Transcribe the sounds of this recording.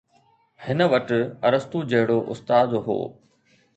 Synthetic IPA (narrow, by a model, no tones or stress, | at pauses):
hɪnə̆ʋɐʈ̆ɐɾəst̪uːd͡ʑɐɦɪɽoʔʊst̪aːd̪ɦo̰ː